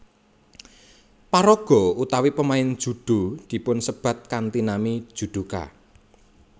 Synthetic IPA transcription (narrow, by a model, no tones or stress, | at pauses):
paɾɔɡ̥ɔ̤ut̪awipəmaɪnd̥ʒ̥ṳɖ̪̥o̤d̪̥i̤pʊnsəb̥a̤t̪̚kant̪inamid̥ʒ̥ṳd̪̥ṳka̰